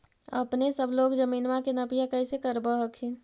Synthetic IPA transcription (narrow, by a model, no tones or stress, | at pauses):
ə̰pnesəbʱloɡd͡ʒəminmakenəpijakəjsekəɾbəɦəkʰin